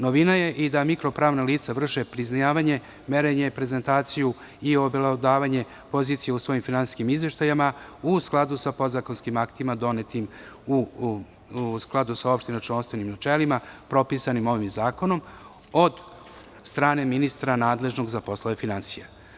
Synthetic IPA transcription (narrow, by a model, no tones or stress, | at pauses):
noʋinaje̞ʔid̪amikɾo̞pɾaːʋnaliːt̪saʋr̩ʃepɾiznajaːʋaɲe̞ | me̞ɾeɲe̞pɾe̞zent̪aːt̪siju | io̞belad̪aːʋaɲe̞ | po̞ziːt̪sijeusʋo̞jimfinansi̥skimizʋe̞ʃt̪ajamausklˠad̪usapo̞d̪zako̞nskimakt̪imad̪o̞net̪imu | sklˠad̪usao̞pʃt̪inat͡ʃlanst̪ʋe̞nimnat͡ʃelimapɾo̞pisanimo̞ʋimzaːko̞no̞m | o̞d̪ | st̪ɾaːne̞minist̪ɾanaːd̪le̞ʒno̞ɡzapo̞sloʋe̞finansija